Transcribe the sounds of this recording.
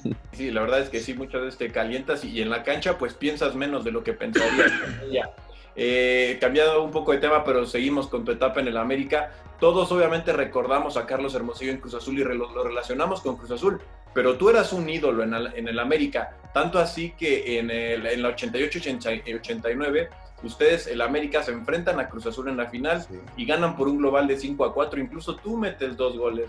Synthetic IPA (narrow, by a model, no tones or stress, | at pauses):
silaβe̞ɾðaðeske̞simut͡ʃazβe̞sest̪e̞kalje̞nt̪asiːe̞nlakant͡ʃapwe̞spje̞nsazmẽno̞zðe̞lo̞ke̞pe̞̰nsaɾiaskoneʝa | ekambjanðoumpo̞ko̞ð̞e̞t̪e̞mape̞ɾo̞se̞ɣimo̞sko̞nt̪ue̞t̪apaene̞lame̞ɾika | t̪o̞ðo̞so̞β̞jament̪e̞re̞ko̞ɾðamo̞sakaɾlo̞s̬e̞ɾmo̞siʝoeŋkɾus̬asulirelolo̞re̞lasjo̞namo̞sko̞ŋkɾus̬asul | pe̞ɾo̞t̪ue̞ɾasuniðo̞loenaene̞lame̞ɾika | t̪ant̪oasike̞ʔenelenlaot͡ʃe̞nt̪ajot͡ʃoot͡ʃenaot͡ʃe̞nt̪ajnwe̞β̞e̞ | ust̪e̞ðe̞selame̞ɾikase̞ːɱfɾe̞nt̪anakɾusasule̞nlafinal | iɣanampo̞ɾuŋɡlo̞βald̪e̞siŋko̞akwat̪ɾoiŋkluso̞t̪ume̞t̪e̞zd̪o̞zɣole̞s